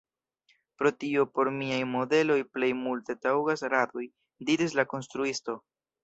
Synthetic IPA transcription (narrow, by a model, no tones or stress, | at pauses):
pɾo̞tio̞po̞ɾmiajmo̞de̞lo̞jple̞jmulte̞tawɡasɾatoj | diɾislako̞nstɾuisto̞